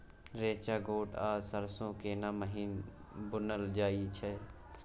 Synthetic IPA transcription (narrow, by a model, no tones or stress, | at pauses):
ɾeːt͡ʃaːɡoːʈʰaːsəɾsõːkeːnaːməɦiːn | bʊnəld͡ʒaːit͡ʃʰɛ